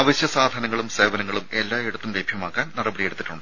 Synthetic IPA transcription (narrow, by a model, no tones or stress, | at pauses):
ɐʋɐɕjɐsaːd̪ʱɐnɐŋːɐɭumse̞ːʋɐnɐŋːɐɭume̞lːaːeɽɐt̪ːumlebʱjɐmaːkːaːnnɐrɐbɐɽijeɽut̪ːiʈːuɳɖɨ